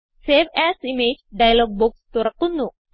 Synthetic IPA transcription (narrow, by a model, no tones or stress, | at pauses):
seːʋæːsimeːd͡ʒɖɐjɐloːɡ̚bukst̪uɾɐkːund̪u